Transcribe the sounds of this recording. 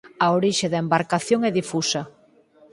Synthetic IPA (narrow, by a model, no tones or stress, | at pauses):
ɐoɾiʃeðaembaɾkaθjoŋɛðifusɐ